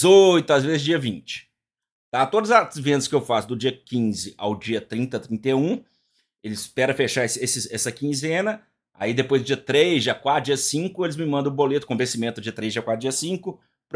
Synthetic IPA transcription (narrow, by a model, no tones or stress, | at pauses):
ojt̪ʊazvezɪzd͡ʒiɐvĩt͡ʃɪ̥ | t̪at̪od̪ɐzɐzvẽnd̪ɐskɪewfasʊd̪ʊd͡ʒiɐkĩzɪʔa̰wd͡ʒiɐt̪ɾĩnt̪ɐt̪ɾĩnt̪eũ | elɪɪspɛɾɐfeʃaesesɪɛsɐkĩzẽnɐ | a̰id̪epojzd̪ʊd͡ʒiɐt̪ɾejzʒakwad͡ʒiɐsĩŋkʊelɪzmɪmɐ̃nd̪̃bolet̪ʊkõbẽsimẽt̪ʊd͡ʒiɐt̪ɾejzd͡ʒakwad͡ʒiɐsĩŋkʊ | pɾ